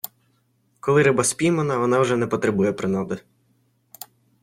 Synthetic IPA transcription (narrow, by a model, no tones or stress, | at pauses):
kɔlˠɪɾɪbɑsʲpʲijmɐnɐʋɔnɑwʒɛnɛpɔt̪ɾebujɛpɾɪnɔd̪ɪ